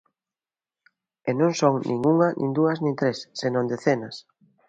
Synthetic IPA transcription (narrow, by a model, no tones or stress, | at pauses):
enõŋsoŋnʔḭ̃ŋuŋɐnʔḭ̃ŋd̪uɐznĩŋt̪ɾesːenõnd̪eθenɐs